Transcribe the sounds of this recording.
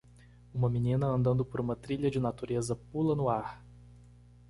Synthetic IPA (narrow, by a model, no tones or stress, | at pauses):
ũmɐminĩnɐɐ̃nd̪ɐ̃nd̪ʊpoɾũmɐt̪ɾiʎɐd͡ʒɪnat̪uɾezɐpulɐnʊaɾ